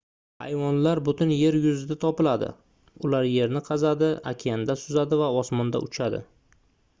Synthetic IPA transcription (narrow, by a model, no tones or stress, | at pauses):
a̰jwɒnlaɾbʊt̪ɪnje̞ɾjʊzɪd̪at̪ʰɒpɪlad̪ɪ̰ | ʊlaɾje̞ɾnɪqʰɑzad̪ɪa̰kʲʰand̪asʊzad̪ɪvaɒsmɒnd̪a̰ʔʊt͡ʃʰad̪ɪ̰